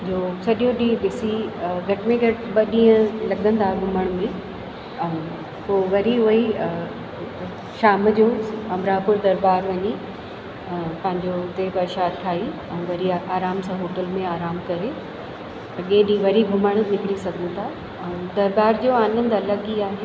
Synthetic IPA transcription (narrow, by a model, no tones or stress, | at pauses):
d͡ʑoːsɐɗjõɗĩːbɪsiɡʱɐʈɪmẽɡʱɐʈɓɐɗĩːə̃lɐɠə̃nd̪aːɡʱʊməɽ̃mẽ | poːʋɐɾiɦʊi | ʃaːmd͡ʑoːɐmɾaːpʊɾd̪ɐɾbaːɾʋɐɲi | pɐ̃ɦɪ̃ɲd͡ʑot̪epɐɾʃaːd̪̚t̪ʰaːi | ɛ̃ːʋɐɾiaːɾaːmsãːɦoːʈəlmẽaːɾaːmkɐɾe | ɐɠẽːɗĩʋɐɾiɡʱʊməɽ̃nɪkɽisɐɡʱənt̪ʰa | d̪ɐɾbaːɾd͡ʑoːaːnə̃nd̪ɐlɐɡiaːɦeː